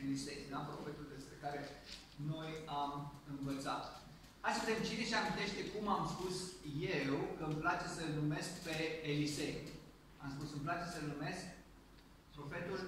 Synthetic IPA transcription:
elisḛjuampɾo̞̰fe̞t̪uld̪e̞spɾe̞kaɾe̞ | no̞jamɨnvət̪sa̰t̪ | hajsəet̪emt͡ʃineʃiamint̪e̞ʃt̪e̞kumamspusjewkəmplat͡ʃe̞səlnume̞skpe̞ːlise̞j | a̰mspusɨmplat͡ʃe̞səlnume̞sk | pɾo̞fe̞t̪ul

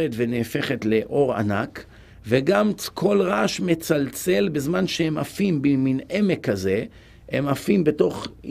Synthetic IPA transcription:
et̪veneːfe̞χe̞tle̞ʔo̞ʁa̰nak | veɡamkʰo̞lʁaʃmet͡salt͡se̞lbezmanʃehemafimbimine̞me̞kːaze̞ | emafimbe̞to̞χ

